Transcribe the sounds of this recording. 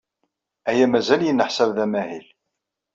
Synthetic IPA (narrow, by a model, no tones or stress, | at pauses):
æjæmæzæljənːəħsævðæmæhil